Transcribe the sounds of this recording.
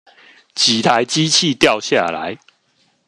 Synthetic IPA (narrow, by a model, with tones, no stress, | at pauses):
t͡ɕi˨˩t̪ʰa˨˦jt͡ɕi˦t͡ɕʰi˥˨t̪ja˥˨ʊɕja̰˥˨la̰˨˦j